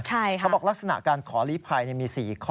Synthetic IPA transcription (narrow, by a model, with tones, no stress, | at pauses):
t͡ɕʰa˥˩˦bɔː˨˩k̚la˦˥k̚sa˧na̰˨˩ʔkaː˧nkʰɔː˩˦liː˦˥pʰaː˧jni˥˩miː˧siː˨˩kʰɔ˥